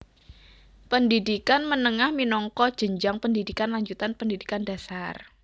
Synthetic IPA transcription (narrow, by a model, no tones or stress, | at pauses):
pəndidikanmənəŋahminɔŋkɔd̥ʒ̥əɲd͡ʒaŋpəndidikanlaɲd͡ʒut̪anpəndidikanda̤sar